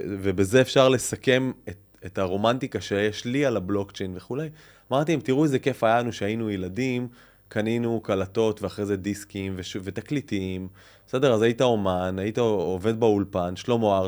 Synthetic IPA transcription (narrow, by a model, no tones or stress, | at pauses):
vebeze̞ːfʃaʁle̞sake̞met | ethaʁo̞mant̪ikaʃejeʃlialablo̞kt͡ʃejnveχulej | amaʁt̪iimt̪iʁuezeke̞fajalanuʃeainujeladim | kaninukalato̞tveaχʁeze̞d̪iskimveʃve̞t̪aklitiim | ese̞deʁazajitaomanajit̪aove̞d̪̚baulpanʃlo̞moaʁ